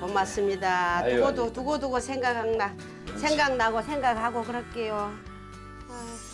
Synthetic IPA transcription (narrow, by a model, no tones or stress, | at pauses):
pʌmas͈ɯmɲidauɡodotuɡoduɡosʰeŋɡakhaŋna | sʰeŋɡaŋnaɡosʰeŋɡakhaɡokɯɾʌk͈ejo